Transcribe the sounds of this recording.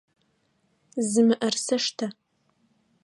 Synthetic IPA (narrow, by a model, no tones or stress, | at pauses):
zɨmɨʔɐrsɐʂtʰa